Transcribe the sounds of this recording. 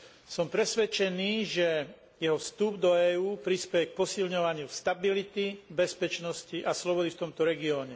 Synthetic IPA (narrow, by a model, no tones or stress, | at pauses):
sɔmpɾɛsʋɛt͡ʃɛniːʒɛ | jɛɦɔfst̪ubd̪ɔɛːuːpɾispɛjɛk̚pɔsilɲɔʋaɲɪust̪abilit̪ibɛspɛt͡ʃnɔsciʔaslɔbɔd̪ift̪ɔmt̪ɔɾɛɡiɔːɲɛ